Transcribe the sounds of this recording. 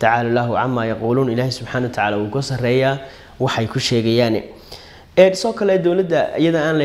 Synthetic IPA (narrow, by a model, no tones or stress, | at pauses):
t̪ʰaʕaːlalaːɦʊʕa̰mːaːjɑquːluːnɪlaːhɪsʊbħaːnɐwɐt̪ʰaʕaːlaːwuːkʰɐsɐrɛːjaː | wɑħɛjkʰʊʃɛːɣɛjaːnɛ | ɛːnsɔːkʰɐlɛd̪ɔwlɐd̪ɐ̰jɐðɐaːnlɐ